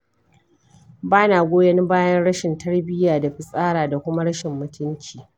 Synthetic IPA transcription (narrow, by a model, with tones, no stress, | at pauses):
baː˦naː˨ɡʷoː˦jɐ˦ni˦baː˦jɐ˦nɽɐ˦ʃɪ˨ntɐ˦ɽbɪ˦jaː˨da˨ɸɪ˨sʼaː˦ɽaː˨da˨kʷʊ˦ma˦ɽɐ˦ʃɪ˨mːʊ˦tʊ˦nt͡ʃiː˨